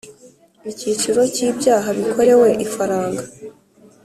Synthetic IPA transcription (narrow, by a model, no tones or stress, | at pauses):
icit͡ʃiɾo̞ciːbɟaːɦaβikʰo̞ɾe̞we̞ʔifaɾaːŋɡa